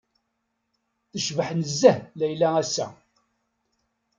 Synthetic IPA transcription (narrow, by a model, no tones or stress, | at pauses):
θəʃvəħnəzːəhlæjlææsːæ̰